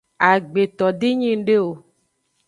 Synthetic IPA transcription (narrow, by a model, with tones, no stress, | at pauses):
a˨ɡ͡be˨t̪ɔ˨d̪i˦ɲĩ˦ŋ˦ɖe˦wo˨